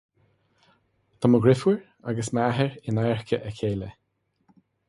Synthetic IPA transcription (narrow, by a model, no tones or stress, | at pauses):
t̪ʰɔməɡɹɪfəɹ | aɡəsmaɦəɹɪnaɹkʰə̰ʔɛkʰeːlə